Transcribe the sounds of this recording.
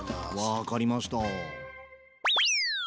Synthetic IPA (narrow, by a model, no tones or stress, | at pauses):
βakaɾʲimaɕi̥t̪a